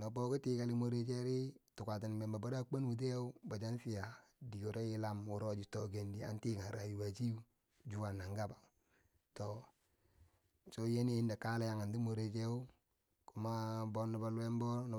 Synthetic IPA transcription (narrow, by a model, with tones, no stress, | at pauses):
na˨bo˦ku˦ti˦ka˨li˦mo˦ɾe˦t͡ʃe˦ɾi˦tu˨ka˨ti˨n˨me˨mba˨ba˦ɾa˦k͡pa˦n˦u˨t̬e˦u˦ba˨d͡ʒa˦n˦si˦ja˨di˨ɡo˨ɾe˦ji˦la˦mu˨ɾo˦d͡ʒi˨to˨ɡe˨ndi˨a̰˨n˦ti˦ka˨ɾa˨ju˨wa˨d͡ʒi˦u˦ | d͡ʒu˦wa˨nːa˨ŋɡa˦ba˨ | to˨ | t͡ʃo˦je˦ni˦i˦nda˨ka˦la˦ja˨ŋa˨ndi˦mo˨ɾe˨t͡ʃe˦u˦ | ku˨˦ma˦bo˦nːi˨ba˨lu˦e˦m˦bo˦n˨